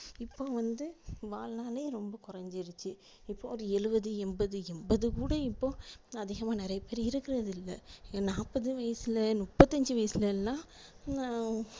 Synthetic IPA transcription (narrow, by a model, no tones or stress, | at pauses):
ɪpːoːʋɐnd̪ɯʋaːlnaːleːɾɔmbɐkʊɾɐɲd͡ʒɪɾɯt͡ʃːɯ | ɪpːoːɔɾɯɛɻɯbɐðɯɛmbɐðɯɛmbɐðɯkuːɽɐɪpːoːɐðɪɣɐmaːnɪɾɐjɐpeːɾiɪɾɯkːɪɾɐðɪlːɐ̰naːpːɐðɯʋɐjɐsɪlɐnʊpːɐt̪ːɐɲd͡ʒɯʋɐjɐsɪlɐlnaː